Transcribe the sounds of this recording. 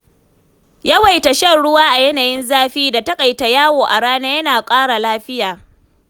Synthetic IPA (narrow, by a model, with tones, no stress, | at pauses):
ja˦wa˨jta˨ʃɐ˦˨nɽʊ˦waː˦ʔa˨jɐ˦naː˨jɪ˦nzaː˦ɸiː˦da˨tɐ˦kʼa˨jta˨jaː˦woː˨ʔa˨ɽaː˦naː˦jɐ˦naː˨kʷʼaː˦ɽa˨laː˦ɸɪ˦jaː˨